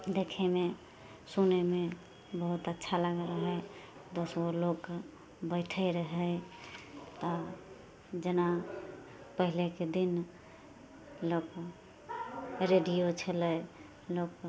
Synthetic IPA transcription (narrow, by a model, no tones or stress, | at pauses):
d̪ekʰeme | suneme | bəɦut̪ətːʃʰalaɡɾəɦəj | d̪osolok | bəɪʈʰəɾəɦəj | t̪ɔ | d͡ʒena | pəɦileked̪in | lok | ɾeɖijot͡ʃʰələj | lok